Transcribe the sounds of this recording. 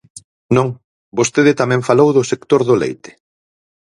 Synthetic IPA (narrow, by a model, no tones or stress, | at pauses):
nõŋ | bost̪eðɪt̪amɛ̃ŋfalowðʊsekt̪oɾðolḛjt̪ɪ̥